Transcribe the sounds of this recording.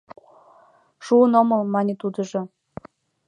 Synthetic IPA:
ʃuənoməlmɑnʲet̪ud̪ə̆ʒŏ

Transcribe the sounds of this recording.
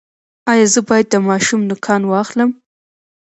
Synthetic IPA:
ɑjɑzəbɑjad̪̚ːəmɑʃumnʊkʰɑnwɑxləm

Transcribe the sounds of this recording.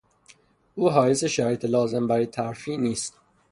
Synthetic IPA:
ʔuːɦɒːjeseʃæɾiːt̪ʰelɒːzembæɾit̪ʰæɾfiːniːst̪

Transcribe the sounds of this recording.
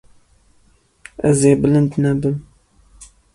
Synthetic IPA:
ɛzeːbɨlɨnd̪nɛbɨm

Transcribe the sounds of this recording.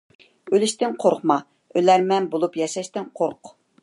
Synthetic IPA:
ølɪʃt̪ɪŋqʰoɾqmɑ | ølæɾmɛnbolˠupjɛʃɛʃt̪ɪnqʰoɾq

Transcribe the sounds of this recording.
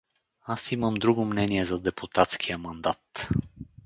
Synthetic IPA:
asiməmd̪ɾuɡʊmnɛniɛzɐd̪ɛpʰʊt̪at̪skʰijəmɐnd̪at̪

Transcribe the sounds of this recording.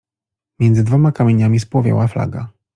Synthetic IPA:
mʲjɛnd̪zɘd̪vɔmakamʲjeɲamʲispwɔvʲjɛ̰wafla̰ɡa̰

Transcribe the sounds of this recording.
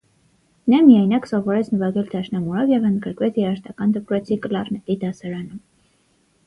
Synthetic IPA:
nɑmijɑjnɑksɔvɔɾɛt͡sʰnəvɑɡɛld̪ʰɑʃnɑmuɾɔvjɛvənd̪ɡəɾkvɛt͡sʰjɛɾɑʃt̪ɑkɑnd̪əpɾɛt͡sʰikəlɑrnɛt̪id̪ɑsɑɾɑnum

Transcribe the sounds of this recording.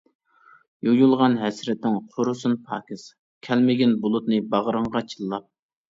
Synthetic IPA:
jojulˠʁɑnɦɛsɾɪt̪nɪŋqʰoɾʊsunpʰɑ̰ːkʲis | kʲʰɛlmɪɡʲɪnbʊlˠʊt̪nɨbɑʁəɾəɴʁɑt͡ʃʰilˠːɑp̚

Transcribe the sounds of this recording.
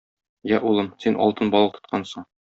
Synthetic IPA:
jæʔulˠɤmsinʔɒ̰lˠt̪ɤnbɒlˠɤqt̪ŏ̥t̪̚qʰɑnsɤɴ

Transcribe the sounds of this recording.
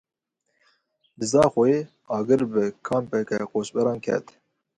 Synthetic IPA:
d̪ɨzɑːxʷɔe | ɑːɡɨɾbɨkʰɑːmpɛkɛqoːʃbɛɾɑːnkʰɛ̰t̪

